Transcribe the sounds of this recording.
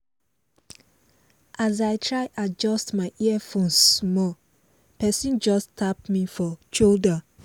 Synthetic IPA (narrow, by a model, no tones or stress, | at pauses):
ʔazaɪtʰɹaɪʔad͡ʒɔstmaɪʔiɛfõnsmɔ | pɛsĩnd͡ʒɔstʰap̚mifɔt͡ʃildɹə̃n